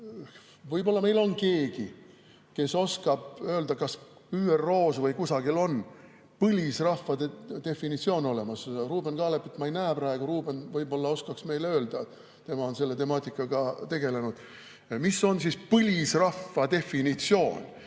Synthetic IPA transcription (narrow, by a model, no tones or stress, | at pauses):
vɯjbo̞lːɑme̞jlo̞nke̞ːɡ̥i | ke̞so̞skɑb̥ø̞ːld̪ɑkɑs | yːero̞ːsvɤjkusɑɡilo̞n | pɯlʲisrɑfːɑt̪e̞fːinit̪sio̞ːno̞le̞mɑsruːbe̞nkɑːlepːet̪mɑejnæːepɾɑe̞ɡ̥uɾuːb̥e̞nvɯjbo̞lːɑo̞skɑksme̞jlø̞ːld̪̥ɑ | t̪e̞mɑo̞nse̞lːe̞t̪e̞mɑːt̪ʲˑːikːˑɑɡ̥ɑt̪e̞ɡ̥e̞le̞nud̪̥ | misːo̞nsispɯlʲisrɑfːɑt̪e̞finit̪sio̞ːn